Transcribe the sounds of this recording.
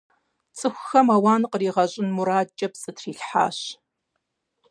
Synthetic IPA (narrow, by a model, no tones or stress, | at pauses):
t͡sʼɨxʷʊxɐmawaːnqəriːʁɐɕʼɪnmʊɾaːt͡ʃʼɐpsʼɨtʰriːɬħa̰ːɕ